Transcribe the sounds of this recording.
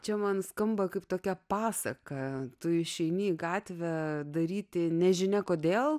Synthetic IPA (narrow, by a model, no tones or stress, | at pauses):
t͡ʃʲɛmɐnskɐmbɐkɐɪpt̪oːkʲɛpɑːsɐkɐt̪ʊɪʃʲɛɪnʲɪɡɑːt̪ʲʋʲɛd̪ɐɾʲiːt̪ʲɪnʲɛʒʲɪnʲɛkoːd̪ʲeːlˠ